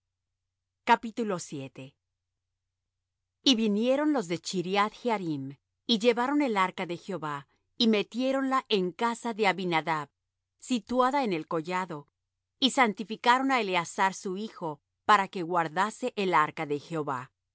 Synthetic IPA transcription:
kapit̪ulo̞sje̞t̪e̞ | iβinje̞ɾo̞nlo̞zðe̞t͡ʃiɾjat̪xeaɾim | iʝe̞βaɾo̞ne̞laɾkaðe̞xeo̞βa | ime̞t̪je̞ɾo̞nlaʔe̞ŋkasaðe̞aβinaðaβ | sit̪waðaene̞lko̞ʝaðo̞ | isant̪ifikaɾo̞naeleasaɾsuixo̞ | paɾake̞ɣwaɾðase̞ʔelaɾkaðe̞xeo̞βa

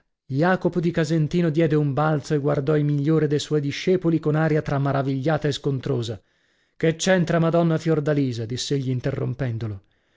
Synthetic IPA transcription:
jaːkopod̪ikazent̪iːnod̪jɛːd̪eumbalt̪soeɡward̪ɔimiʎːoːɾid̪ejswɔjd̪iʃːɛːpolikonaːɾjat̪ɾamːaɾaviʎːaːt̪aeskont̪ɾoːza | ket͡ʃːɛnt̪ɾamad̪ɔnːafjord̪aliːzad̪isːeeʎːiːnt̪erːo̰mpɛnd̪olo

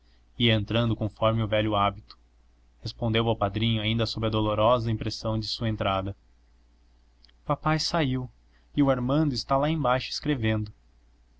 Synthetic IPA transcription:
iẽnt̪ɾɐ̃nd̪ʊkõfɔɾmɪʊvɛʎʊabit̪ʊ̥ | hespõnd̪ewawpad̪ɾĩɲʊaĩnd̪ɐsobɾɪɐd̪oloɾɔzɐĩmpɾesɐ̃w̃d͡ʒɪsuɐẽnt̪ɾad̪ɐ | papajsaiw | ɪʊaɾmɐ̃nd̪ʊɪst̪alaẽbajʃʊe̥skɾevẽnd̪ʊ

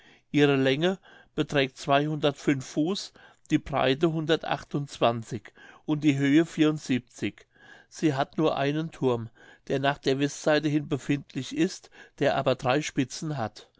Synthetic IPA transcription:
ʔiːʁəlɛŋə | b̥ətʁ̥ɛːk̚tt͡sv̥aɪhʊndɐtfʏnfːuːs | d̥iːbʁa̰ɪtəɦʊndɐtʔa̰χtʊnt͡sv̥ant͡sɪçʔʊnt̚d̥iːɦøːəfiːɐʊntz̥iːp̚t͡sɪç | z̥iːɦatnuːɐʔa̰ɪnəntʰʊɐm | d̥eːɐnaːχd̥eːɐvɛstz̥aɪtəhɪnbəfɪntʰlɪçɪstd̥eːɐʔa̰ːbɐdʁaɪʃpɪt͡sn̩ɦat

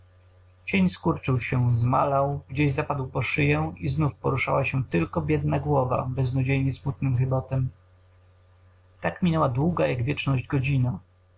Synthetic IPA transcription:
t͡ɕeɲskuɾt͡ʂɘwɕɛzmalawɡd͡ʑeʑzapad̪wpɔʂɘjɛiznufpɔ̰ɾuʂawaɕɛt̪ɘlkɔbʲjɛd̪̚naɡwɔva̰bɛznud͡ʑejɲɛsmut̪nɘmxɘbɔt̪ɛm | t̪akmʲinɛwad̪wuɡajaɡvʲjɛt͡ʂnɔʑd͡ʑɡɔd͡ʑina

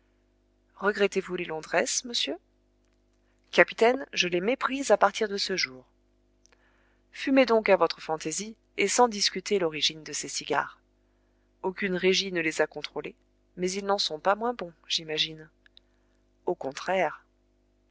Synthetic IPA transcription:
ʁəɡʁɛt̪evulelɔ̃d̪ʁɛsməsjø | kapi̥t̪ɛnʒəlɛmepχizapaʁt̪ʰiʁd̪əsəʒuːʁ | fymed̪ɔ̃kavɔt̪χəfɑ̃t̪ezi | esɑ̃d̪iskʲyt̪elɔʁiʒind̪əsesiɡʲa̰ːʁ | okʲynʁeʒinəlezakɔ̃t̪χole | mɛzilnɑ̃sɔ̃pamwɛ̃bɔ̃ʒ̥imaʒin | okɔ̃t̪χɛʁ

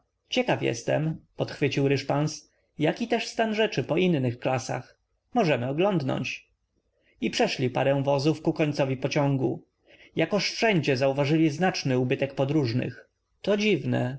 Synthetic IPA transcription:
t͡ɕɛkafjɛ̰st̪ɛ̰mpɔt̪xfɘt͡ɕiwɾɘʂpans | jakʲit̪ɛʂst̪anʐɛt͡ʂɘpɔʔinːɘxklasa̰x | mɔʐɛmɘɔɡlɔnd̪nɔ̰ɲt͡ɕ | ipʂɛʂlʲipa̰ɾɛw̃vɔzufkukɔɲt̪sɔvʲipɔt͡ɕɔŋɡu | jakɔʂfʂɛɲd͡ʑɛzauvaʐɘlʲiznat͡ʂnɘubɘt̪ɛk̚pɔd̪ɾuʐnɘ̰x | t̪ɔd͡ʑivnɛ̰

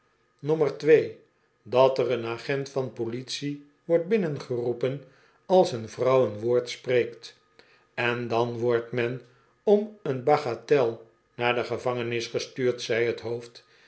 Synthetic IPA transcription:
nɔmərtʋej | dɑtərənaχɛntfɑnpolitsi | ʋɔɹt̚bɪnənχərupən | ɑlˠsənvrʌwənʋoːɹtspreːkt | ɛndɑnʋɔɹtmɛn | ɔmənbaχatɛlˠ | naːɹdəχəvɑŋənɪsχəstyːɹtsɛjɦətɦowft

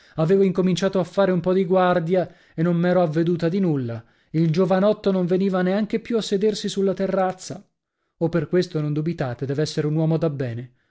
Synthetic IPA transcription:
aveːvoiŋkomint͡ʃaːt̪oafːaːɾeumpɔd̪iɡward̪ja | enːonmɛːɾoavːed̪uːt̪ad̪inulːa | ild͡ʒovanɔt̪ːonoɱveniːvaneaŋk̟epjuasːed̪ersisulːat̪erːat̪sːa | opːerkwest̪onond̪ubit̪aːt̪ed̪ɛːveɛsːeɾeunwɔːmod̪abːɛːne

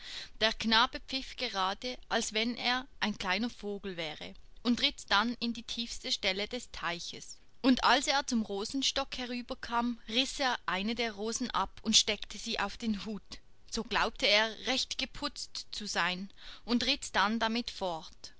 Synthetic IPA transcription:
d̥eːɐknaːbəpp͡fɪfɡ̥əʁaːdəʔalsv̥ɛnʔeːɐʔaɪnkl̥aɪnɐfoːɡl̩vɛːʁəʔʊntʁɪtd̥anɪndiːtʰiːfstəʃtɛlədɛstʰaɪçəs | ʊnda̰lseːɐt͡sʊmʁoːzn̩ʃtɔkhɛʁyːbɐkʰaːmʁɪseːɐʔaɪnədeːɐʁoːzn̩ʔa̰pʰʊntʃtɛktʰəz̥iːʔaʊfd̥eːnɦuːt | z̥oːɡlaʊp̚tʰəeːɐʁɛçtɡ̥əpʰʊt͡stt͡suzaɪnʊntʁɪtd̥andamɪtfɔɐt

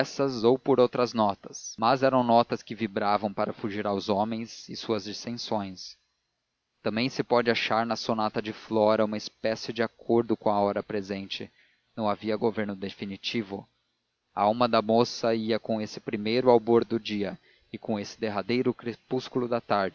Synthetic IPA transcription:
ɛsɐzowpoɾowt̪ɾɐznɔt̪ɐsmazɛɾɐ̃w̃nɔt̪ɐskɪvibɾavɐ̃w̃paɾɐfuʒiɾawzõmẽj̃zɪsuɐzd͡ʒist̪ẽsõj̃s | t̪ɐ̃mbẽj̃sɪpɔd͡ʒɪaʃaɾnɐsonat̪ɐd͡ʒɪflɔɾɐũmɐɪspɛsɪd͡ʒɪakʰoɾd̪ʊkõw̃ɐɔɾɐpɾezẽnt͡ʃɪ | nɐ̃w̃aviɐɡoveɾnʊd̪efinit͡ʃivʊ | aawmɐd̪ɐmosɐiɐkõesɪpɾimejɾʊawboɾd̪ʊd͡ʒiɐ | ɪkõesɪ̥d̪eɦad̪ejɾʊkɾepuskulʊd̪ɐt̪aɾd͡ʒɪ

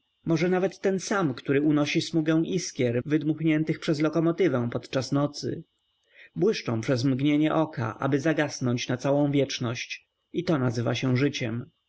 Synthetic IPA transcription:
mɔʐɛnavɛt̪ːɛnsamkt̪uɾɘunɔɕismuɡɛ̃w̃ʔiskʲjɛɾvɘd̪muxɲɛnt̪ɘxpʂɛzlɔkɔmɔt̪ɘvɛ̃w̃pɔt̪t͡ʂasnɔt̪sɘ̰ | bwɘʂt͡ʂɔ̃w̃pʂɛzmɡɲeɲɛʔɔka̰ʔa̰bɘzaɡasnɔɲt͡ɕnat̪sawɔ̃w̃vʲjɛt͡ʂnɔɕt͡ɕ | it̪ɔnazɘva̰ɕɛw̃ʐɘt͡ɕɛm

